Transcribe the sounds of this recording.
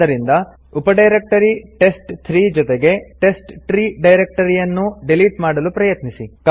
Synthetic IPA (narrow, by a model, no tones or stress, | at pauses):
ɐɾind̪ɐ | upɐɖɐjɾek̚ʈɐɾiʈe̞sʈt̪ʰɾiːd͡ʒɔt̪eɡe̞ʈe̞sʈt̪ɾiːɖɐjɾek̚ʈɐɾijɐnːuɖeliʈmaːɽɐlupɾɐjɐt̪nisik